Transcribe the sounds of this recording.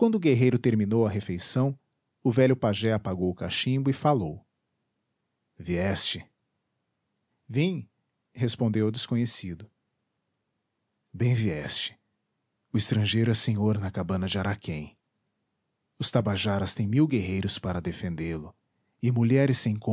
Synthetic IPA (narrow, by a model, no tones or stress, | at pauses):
kwɐ̃nd̪ʊɡeɦejɾʊt̪eɾmĩnowɐɦefejsɐ̃w̃ | ʊvɛʎʊpaʒɛapaɡowʊkaʃĩbʊɪfalow | viɛst͡ʃɪ | vĩj̃ | hespõd̪ewʊd̪ɪskõɲesid̪ʊ | bẽj̃viɛst͡ʃɪ̥ | ʊɪst̪ɾɐ̃ʒejɾʊɛsẽɲoɾnɐkabɐ̃nɐd͡ʒɪaɾakʰẽj̃ | ʊst̪abaʒaɾɐst̪ẽj̃miwɡeɦejɾʊspaɾɐd̪efẽnd̪elʊ | ɪmuʎɛɾɪsːẽj̃kõ